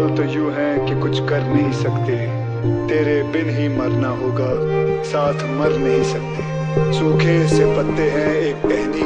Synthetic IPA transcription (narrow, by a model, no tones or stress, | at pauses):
õt̪ojuːɦɛ̃kikʊt͡ʃʰkɐɾnɐɦĩsɐkt̪eɦɛ̃ | t̪eːɾebɪnɦimɐɾnaɦoːɡaːsaːt̪ʰmɐɾnɐɦĩsɐk̚t̪eː | sũːkʰesepɐt̪ːeɦɛ̃eːk̚pɛːni